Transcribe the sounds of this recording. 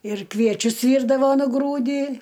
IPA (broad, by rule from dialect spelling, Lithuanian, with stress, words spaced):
ɪr ˈkʋʲiɛt͡ʃʲʊs ˈʋʲiːrdɐʋoː nʊˈɡruːdʲiː